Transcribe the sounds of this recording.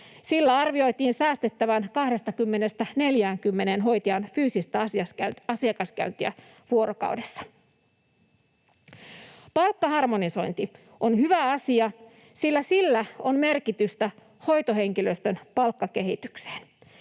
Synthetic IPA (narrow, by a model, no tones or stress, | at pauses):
silːæɑrʋio̞jt̪iːnsæːst̪et̪ːæʋænkɑhde̞st̪ɑkymːe̞nest̪æne̞ljæːŋkymːe̞neːnɦo̞jt̪iɑnfyːsist̪æsɑskæɑsiɑkɑskæ̰ynt̪iæ̰ | ʋuo̞ɾokɑ̰wdesːɑ̥ | pɑlkːɑhɑrmoniso̞jnt̪i | ʔonhyʋæɑsiɑ | silːæsilːæonme̞rkit̪yst̪æ | ho̞jt̪oɦeŋkiløst̪ønpɑlkːɑkeɦit̪ykse̥ːn